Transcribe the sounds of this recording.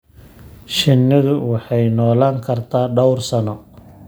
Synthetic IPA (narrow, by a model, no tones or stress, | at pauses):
ʃɪnːɪðʊwɑħɑjnɔːlaːŋkʰɐrt̪ʰaːɖɔwrsɐnɔ